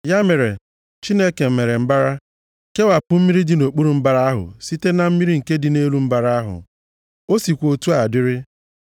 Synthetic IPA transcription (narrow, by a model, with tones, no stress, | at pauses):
ja˦me˨ɾe˨ | t͡ʃi˦ne˦ke˨m̩˨me˨ɾe˨m̩˦ba˦ɾa˦ | ke˦wa˨pʊ˨m̩˦mi˦ɾi˦dɪ˨no˨k͡pu˦ɾu˨m̩˦ba˦ɾa˦a˦ɦʊ̰˨si˦te˦na˨m̩˦mi˦ɾi˦ŋ̩˨ke˦dɪ˨ne˦lu˦m̩˦ba˨ɾa˦a˦ɦʊ̰˨ | o˦si˨kʷo˨tu˦a˨dɪ˦ɾɪ˦